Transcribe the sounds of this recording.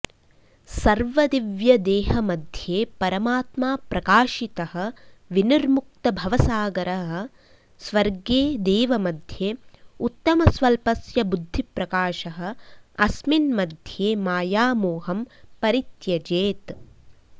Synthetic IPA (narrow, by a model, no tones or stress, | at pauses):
sɐɾʋɐd̪iʋjɐd̪eːɦɐmɐd̪ʱjeːpɐɾɐmaːt̪maːpɾɐkaːʃit̪ɐɦɐ̆ʋiniɾmuk̚t̪ɐbʱɐʋɐsaːɡɐɾɐɦɐ̆ | sʋɐɾɡeːd̪eːʋɐmɐd̪ʱjeːut̪ːɐmɐsʋɐlpɐsjɐbud̪ʱːipɾɐkaːʃɐɦɐ̆ɐsminmɐd̪ʱjeːmaːjaːmuːɦɐmpɐɾit̪jɐd͡ʒeːt̪